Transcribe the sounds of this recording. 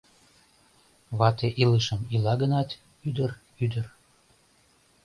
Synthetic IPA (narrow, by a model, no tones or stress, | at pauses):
βɑt̪eʔiləʃəmilɑɡənɑt̪ | yd̪ər | yd̪ər